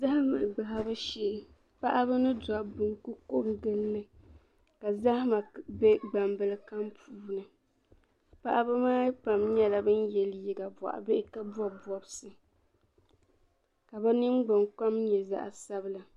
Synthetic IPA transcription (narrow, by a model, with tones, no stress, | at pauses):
za˦ha˦ma˨ɡ͡ba˨ɦa˦bɨ˦ʃeː˦ | pa˦ʔa˦bɨ˦nɨ˦da˨bɨ˨ŋku˦ko˦bɡɨ˦lːɨ˦ | ka˨za˦ha˦ma˨bɛ˦ɡ͡ba˨mbɨ˦lɨ˦ka˦mpʰuː˦nɨ˨ | pa˦ʔa˦bɨ˦maː˦pa˨mɲɛ˦la˨bɨ˦njɛ˨lji˦ɡa˨ba̰˨ʔa̰˨be˦ʔɪ˦ka˦bɔ˦bɔ˨bsɨ˨ | ka˨ba˦nɨ˦mɡ͡ba˨ŋka˦mɲɛ˨za̰˦ʔa̰˨sa˦bɨ˦la˨